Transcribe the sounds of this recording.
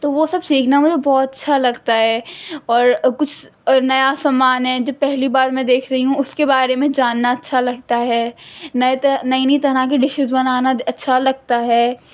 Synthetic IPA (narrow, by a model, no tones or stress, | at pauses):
t̪oʋosɐbsiːkʰnamʊd͡ʒʱebɔːt̪ɐtːʃʰalɐɡt̪aɦɛːɔːɾkʊt͡ʃʰ | nɐjasamaːnɦɛ̃d͡ʒoːpɛɦlibaːɾmɛ̃d̪eːkʰɾɐɦiɦũʊskebaːɾemẽd͡ʒaːnːaɐtːʃʰalɐɡ̚t̪aɦɛːnɐnɐinit̪ɐɾakeɖɪʃɪzbɐnaːnaɐtːʃʰalɐɡ̚t̪aɦɛː